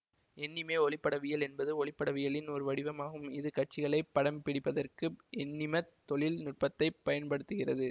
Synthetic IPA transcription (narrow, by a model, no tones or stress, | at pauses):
ɛnːɪmeːɔɭɪpːɐɽɐʋɪjɐlɛnbɐðɯɔɭɪpːɐɽɐʋɪjɐɭɪnɔɾɯʋɐɽɪʋɐmaːɣɯmɪðɯkɐʈ̚t͡ʃɪɣɐɭɐɪpːɐɽɐmpɪɽɪpːɐðɐrkɯʔɛnːɪmɐt̪ːɔɭɪlnʊʈ̚pɐt̪ːɐɪpːɐjɐnpɐɽɯt̪ːɯɣɪrɐðɯ